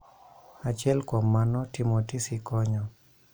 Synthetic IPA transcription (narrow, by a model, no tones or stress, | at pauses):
at͡ʃɛlkwɔmanɔtimotisikɔɲɔ